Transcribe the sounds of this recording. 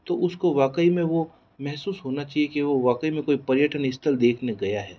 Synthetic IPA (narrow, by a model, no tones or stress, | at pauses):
t̪oʔʊskoʋaːkəimẽʋo | mɛɦsuːsɦoːnat͡ʃaːɦiekeʋoʋaːkəimẽkoːipɐɾjəʈənɪst̪ʰəld̪eːkʰneɡɐjaɦɛː